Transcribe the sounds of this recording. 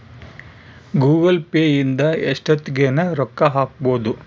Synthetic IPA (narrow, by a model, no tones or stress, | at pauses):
ɡuːɡɐlpeːjind̪ɐeʂʈɐt̪ːiɡeːnɐɾɔkːɐɦaːk̚boːd̪u